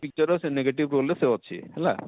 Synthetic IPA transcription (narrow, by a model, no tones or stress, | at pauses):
pik̚t͡ʃɔɾɔseneɡeʈibɾoleseɔtːt͡ɕʰḭhɛla̰